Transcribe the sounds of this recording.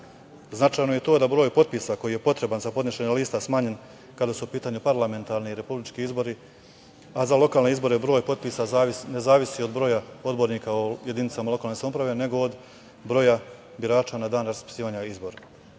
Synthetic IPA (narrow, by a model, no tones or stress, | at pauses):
znat͡ʃajnoje̞t̪o̞ːd̪abɾo̞ːjpo̞t̪̚piːsako̞jije̞po̞t̪ɾe̞banzapod̪niʃeɲaliːst̪asmaːɲe̞n | kad̪asuupiːt̪aːɲupaɾlame̞nt̪aɾniiɾe̞publit͡ʃkiizbo̞ɾi | azalo̞kaːlne̞izbo̞ɾe̞bɾo̞ːjpo̞t̪̚piːsaanezaːʋisio̞d̪bɾo̞ːjao̞d̪bo̞ɾniːkaoje̞d̪init̪samalˠo̞kalnosamopɾaʋe̞ne̞ɡo̞ːd̪ | bɾo̞ja | biɾaːt͡ʃanad̪aːnɾaspi̥siːʋaɲaizbo̞ɾa